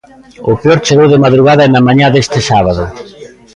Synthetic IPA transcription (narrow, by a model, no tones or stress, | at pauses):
ʊpeɔɾt͡ʃeɣowðɪmaðɾuɣaðɐɛnɐmaɲaðest̪ɪsaβaðʊ